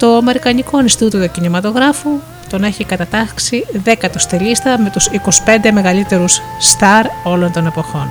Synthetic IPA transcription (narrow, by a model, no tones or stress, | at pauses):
t̪o̞ɐme̞ɾikɐniko̞nst̪ut̪iot̪ocinimɐt̪o̞ɣɾɐfu | t̪o̞ne̞çikɐt̪ɐt̪ɐksiðe̞kɐt̪ost̪elist̪ɐme̞t̪usiko̞si̥pe̞nd̪e̞me̞ɣɐlit̪e̞ɾusːt̪ɐɾo̞lo̞nt̪o̞ne̞po̞xo̞n